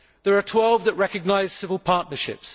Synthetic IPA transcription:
ðəɹətʰw̥ɛlˠvðəʔɹɛkəɡnaɪz̥sɪvəlˠpʰɑˑʔnəʃɪ̰ps

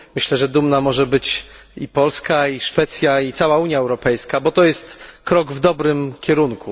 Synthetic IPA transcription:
mɘɕlɛʐɛd̪umnamɔʐɛbɘt͡ɕipɔlskaiʂfɛt̪sʲjait̪sawauɲjaɛwɾɔpɛjskabɔt̪ɔjɛst̪kɾɔɡvd̪ɔbɾɘmkʲɛɾuŋku

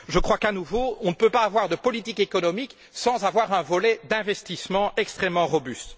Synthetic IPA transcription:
ʒəkχwakanuvoɔ̃nəpøpaːvwaʁd̪əpɔlit̪ikekɔnɔmik | sɑ̃zavwaʁɛ̃vɔlɛd̪ɛ̃vɛst̪ismɑ̃ɛkst̪χɛmːɑ̃ʁɔbyst̪

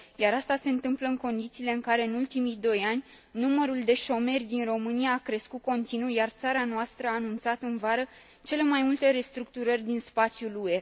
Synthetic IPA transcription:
jaɾast̪ase̞ɨnt̪ɨmpləɨŋko̞nd̪it̪siːle̞ɨŋkaɾe̞ɨnult̪imid̪o̞janʲ | numəɾuld̪e̞ʃo̞me̞rʲd̪inro̞mɨnijaːkɾe̞skut̪̚ko̞nt̪inujart̪saɾanoast̪ɾəaːnunt̪sat̪ɨnvaɾə | t͡ʃe̞le̞majmult̪e̞ɾe̞st̪ɾuk̚t̪uɾərʲd̪inspat̪sʲjulue̞

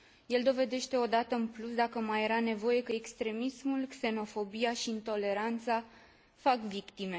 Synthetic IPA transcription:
je̞ld̪o̞ve̞d̪e̞ʃt̪e̞o̞d̪at̪əɨnplusd̪akəmaje̞ɾane̞vo̞je̞kəekst̪ɾe̞mismulkse̞no̞fo̞bijaʃiːnt̪o̞le̞ɾant̪sa | fakvikt̪ime̞

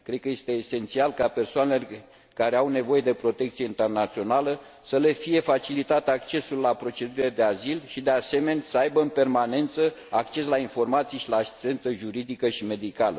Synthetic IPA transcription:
kɾe̞d̪̚kəje̞st̪e̞ːse̞nt̪sialkape̞rsoanele | kaɾe̞awne̞vo̞je̞d̪e̞pɾo̞t̪e̞k̚t̪sieint̪e̞rnat̪sio̞nalə | səle̞fije̞fat͡ʃilit̪at̪ak̚t͡ʃe̞sulːapɾo̞t͡ʃed̪uɾʲiled̪e̞azilʃid̪ease̞me̞nʲsəajbəɨnpe̞rmane̞nt̪sə | ak̚t͡ʃe̞slainfo̞rmat̪sijeʃilaːsi̥st̪e̞nt̪səʒuɾid̪ikəʃime̞d̪ikalə̰

